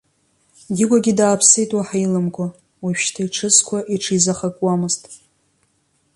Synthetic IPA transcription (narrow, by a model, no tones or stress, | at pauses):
ɡʲɪɡʷaɡʲɪdaːpʰsejtʼwaħajlɨmkʷʰa | wipʃtʰaiʈ͡ʂʰɨzkʷʰaʔiʈ͡ʂʰizaχakʼwamɨztʼ